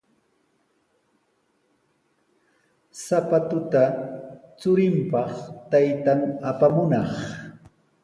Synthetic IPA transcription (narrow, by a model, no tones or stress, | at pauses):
sapat̪ʊt̪a | t͡sʊɾɪmpɑχt̪ajt̪aŋapamʊnɑχ